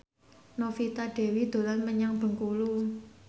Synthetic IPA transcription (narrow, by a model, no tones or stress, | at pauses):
nofit̪aɖ̥e̤wid̪̥o̤lanməɲaŋb̥ə̤ŋkulu